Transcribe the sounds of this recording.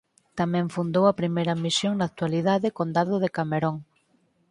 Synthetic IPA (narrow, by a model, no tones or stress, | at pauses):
t̪amɛ̃ɱfund̪owɐpɾimejɾɐmisjoŋnaːt̪waliðaðɪkond̪aðʊðekameɾoŋ